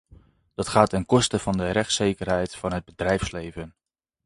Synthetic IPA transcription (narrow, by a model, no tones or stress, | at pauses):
d̥ɑtχaːtɪnkɔstəv̥ɑndərɛχtsejkərɦɛjtfɑnɦəd̚bədrɛjfslejvən